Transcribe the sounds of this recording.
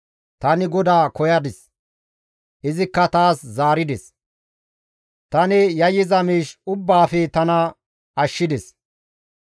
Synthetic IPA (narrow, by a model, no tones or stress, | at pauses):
t̪ɐnɪɡɔd̪aːkɔjɐd̪ɪs | ʔɪzɪkːɐt̪aːszaːɾɪd̪ɛs | t̪ɐnɪjɐjːɪzɐmiːʃʊbːaːfɛt̪ɐnɐ | ɐʃːɪd̪ɛs